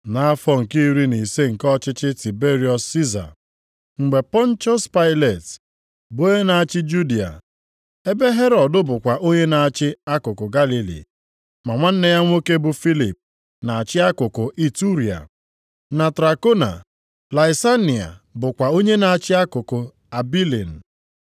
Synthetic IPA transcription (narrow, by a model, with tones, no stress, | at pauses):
na˨˦a˦fɔ˦ŋ̩˨ki˦ɾi˦ni˨se˦ŋ̩˨kɔ˦t͡ʃɪ˦t͡ʃɪ˦ti˨be˦ɾi˦ɔ˨sːi˦za̰˨ | ŋ͡m̩˨ɡ͡be˨pɔ˦n̩˦t͡ʃɔ˦spa˦ɪ˦le˨t | bo˦ɲe˦na˨a˨t͡ʃɪ˦d͡ʒu˦di˨a̰˨ | e˦be˦ɦe˦ɾɔ˨dʊ˦bʊ˨kʷa˨ʔo˦ɲe˦na˨a˨t͡ʃɪ˦a˦kʊ˨kʊ˨ɡa˦li˨lḭ˨ | ma˨ŋʷa˦n̩˦ne˦ja˦ŋʷ˦o˦ke˦bʊ˨fi˦lḭ˨p̚ | na˨a˨t͡ʃɪ˦a˦kʊ˨kʊ˨ʔi˨tu˦ɾi˨a̰˨ | na˨tɾa˨ko˦na̰˨ | la˨ɪ˨sa˦ni˨a̰˨bʊ˨kʷa˨o˦ɲe˦na˨a˨t͡ʃɪ˦a˦kʊ˨kʊ˨ | a˨bi˦lḭ˨n̩˨